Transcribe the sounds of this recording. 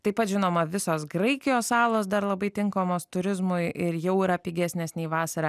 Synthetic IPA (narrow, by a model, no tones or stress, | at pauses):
t̪ɐɪpɐt̪ʒʲɪnoːmɐʋʲɪsoːsɡɾɐɪkʲɪjoːssɑːlˠoːsd̪ɐɾlˠɐbɐɪt̪ʲɪŋkoːmoːst̪ʊɾʲɪzmʊɪʔɪɾjɛʊiɾɐpʲiːɡʲæːsʲnʲesʲnʲɛiʋɑːsɐɾɑː